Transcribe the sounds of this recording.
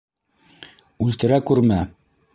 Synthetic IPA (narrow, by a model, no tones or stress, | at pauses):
ʉlt̪ɘ̆ɾækʉɾmæ